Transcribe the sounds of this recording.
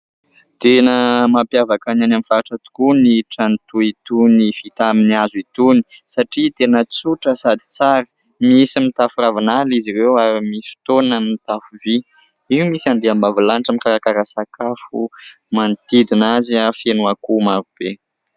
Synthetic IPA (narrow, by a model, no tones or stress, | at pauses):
t̪enəmapjavakananamifaaʈ͡ʂət̪u̥kuniʈ͡ʂant̪uit̪unifit̪aminiazuit̪uni̥saʈ͡ʂit̪enət͡suʈ͡ʂəsad̪i̥t͡saɾə | misimit̪afuravinaliziɾewaɾimisi̥t̪onnəmit̪afuvi | iwmisand̪eambavilanʈ͡ʂamikaɾakaɾasakʰafu | mant̪id̪inaziafenuakumaɾub̥e